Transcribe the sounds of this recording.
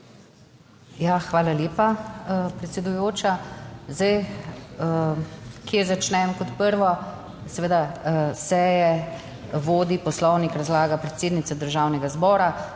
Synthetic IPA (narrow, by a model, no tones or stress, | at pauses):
jaxʋaːlaljeːpapɾɛt̪sɛd̪ujoːt͡ʃazd̪aj | kjezat͡ʃnɛmkɔt̪pəɾʋɔ | sɛʋeːd̪asɛjɛ | ʋoːd̪ipɔslɔwnikɾazlaːɡapɾɛt̪seːd̪nit̪sɛd̪əɾʒaːwnɛɡazbɔːɾa